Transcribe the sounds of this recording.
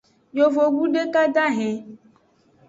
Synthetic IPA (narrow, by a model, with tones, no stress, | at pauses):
jo˨vo˨ɡu˦ɖe˦ka˦d̪a˦ɦɛ̃˨